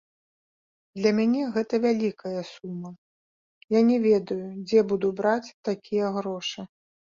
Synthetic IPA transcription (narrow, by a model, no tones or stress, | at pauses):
d̪lʲɐmʲanʲɛɣɛt̪ɐvʲalʲikɐjɐsumːɐ | janʲɛvʲɛd̪ɐjud͡zʲɛbud̪ubɾat͡sʲt̪akʲijɐɣɾɔʂɨ